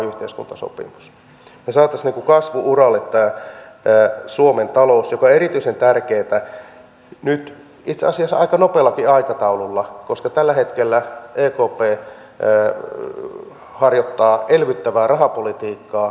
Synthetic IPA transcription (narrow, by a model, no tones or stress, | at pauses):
yht̪eiskṵnt̪ɑso̰pḭmus | nesɑːt̪ːɑsniŋkukɑsʋuʔurɑlːet̪ːæː | suoment̪ɑlousjokɑeɾit̪yisent̪ærkeːt̪æ | nyt̪ | it̪seɑsiɑsːɑʔɑ̰ikɑnopeːlːˑɑkiɑikɑt̪ɑululːɑkoskɑt̪ælːæhet̪kelːæʔeːkoːpeː | hɑrjot̪ːɑːʔelʋyt̪ːæʋæːrɑɦɑpolit̪iːkːɑː